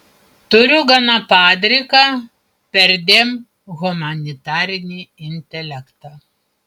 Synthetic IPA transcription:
t̪ʊɾʲʊɡɐnɐpɑːd̪ʲɾʲɪkɑː | pʲɛɾʲd̪ʲeːm | ɣʊmɐnʲɪt̪ɑːɾʲɪnʲiːɪnʲt̪ʲɛlʲɛkt̪ɑː

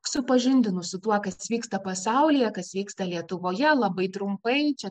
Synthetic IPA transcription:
sʊpɐʒʲɪnʲd̪ʲɪnʊsʊt̪uɔkɐsʋʲiːkst̪ɐpɐsɑˑʊlʲɪjɛkɐsʋʲiːkst̪ɐlʲiɛt̪ʊʋoːjɛlˠɐbɐɪt̪ɾʊmpɐɪt͡ʃʲɛ

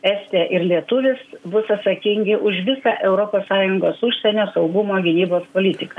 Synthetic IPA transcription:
ɛsʲt̪ʲeːʔɪɾlʲiɛt̪ʊʋʲɪsbʊsɐt̪sɐkʲɪŋʲɡʲɪʔʊʃʋʲɪsɑʔɛʊɾoːpoːssɑːjʊŋɡoːsʊʃʲsʲɛnʲoːsɐʊɡʊmoːɡʲɪnʲiːboːspoːlʲɪt̪ʲɪkɐ

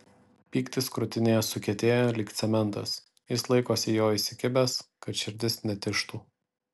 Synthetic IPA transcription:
pʲiːkt̪ʲɪskɾʊt̪ʲɪnʲeːjɛsʊkʲɛt̪ʲeːjolʲɪkt̪sʲɛmʲɛnˑt̪ɐ̰s | jɪslˠɐɪkoːsʲɪjoːisʲɪkʲɪbʲɛskɐt̪ʃʲɪɾʲd̪ʲɪsnʲɛt̪ʲɪʃt̪uː

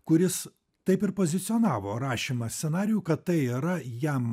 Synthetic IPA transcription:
kʊɾʲɪs | t̪ɐɪpɪɾpoːzʲɪt̪sʲɪɔːnɑːʋoːɾɑːʃʲimɐsʲt̪ʲsʲɛnɑːɾʲɪjuːkɐt̪t̪ɐɪiɾɐjɛm

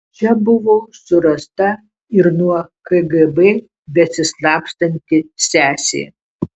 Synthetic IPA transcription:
t͡ʃʲɛbʊʋoːsʊɾɐst̪ɐ | ɪɾnuɔkɐɡɛbɛ | bʲɛsʲɪslˠɑːpst̪ɐnʲt̪ʲɪsʲæːsʲḛː

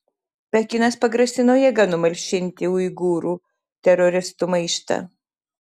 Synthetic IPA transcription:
pʲɛkʲɪnɐspɐɡɾɐsʲɪnoːjɛɡɐnʊmɐlʲʃʲɪnʲt̪ʲɪuɪɡuːɾuː | t̪ʲɛɾɔɾʲɪst̪umɐɪʃt̪ɐ̰

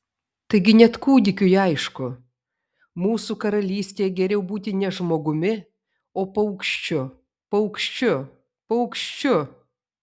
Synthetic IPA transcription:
t̪ɐɪɡʲɪnʲɛt̪kuːd̪ʲɪkʲʊjɪɐɪʃkʊ | muːsukɐɾɐlʲiːsʲt̪ʲeːjɛɡʲɛɾʲɛʊbuːt̪ʲɪnʲɛʒmoːɡʊmʲɪ | oːpɐɐʊkʃʲt͡ʃʲʊ | pɐɐʊkʃʲt͡ʃʲʊ | pɐʊkʃʲt͡ʃʲʊ

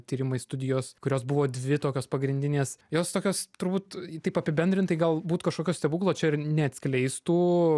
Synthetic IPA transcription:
t̪ʲiːɾʲɪmɐɪst̪ʊd̪ʲɪjoːskʊɾʲoːsbʊʋoːd̪ʲʋʲɪt̪oːkʲoːspɐɡɾʲɪnʲd̪ʲɪnʲeːsjoːst̪oːkʲoːst̪ʊɾbuːt̪t̪ɐɪpɐpʲɪbʲɛnʲdʲɾʲɪnt̪ɐɪɡɐlˠbuːt̪kɐʃkoːkʲoːsʲtʲɛbuːklˠoːt͡ʃʲɛɪɾnʲɛɐt̪ʲsʲklʲɛɪst̪uː

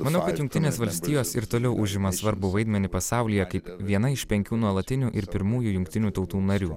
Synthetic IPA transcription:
mɐnɐʊkɐt̪jʊŋk̚ʲt̪ʲɪnʲeːsʋɐlʲsʲt̪ʲiːjoːsɪɾt̪oːlʲɛʊʔʊʒʲɪmɐsʋɐɾbʊʋɐɪd̪ʲmʲɛnʲɪpɐsɑˑʊlʲɪjɛkɐɪpʋʲiɛnɐɪʃpʲɛŋʲkʲuːnuɔlˠɐt̪ʲɪnʲuːʔɪɾpʲɪɾmuːjuːjʊŋʲkt̪ʲɪnʲuːt̪ɒʊt̪uːnɐɾʲuː

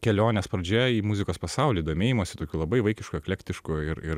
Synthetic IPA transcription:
kʲɛlʲoːnʲɛspɾɐd͡ʒʲɛiːmʊzʲɪkoːspɐsɑʊlʲiːd̪oːmʲeːjɪmoːsʲɪt̪oːkʲuːlˠɐbɐɪʋɐɪkʲɪʃkuɛkʲlʲɛkʲt̪ʲɪʃkʊɪɾɪɾ

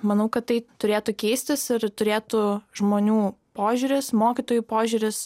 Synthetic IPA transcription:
mɐnɐʊkɐt̪tɐɪt̪ʊɾʲeːt̪ʊkʲɛɪsʲt̪ʲɪsɪɾt̪ʊɾʲeːt̪ʊʒmoːnʲuːpoːʒʲuɾʲɪsmoːkʲit̪oːjupoːʒʲʊːɾʲɪs

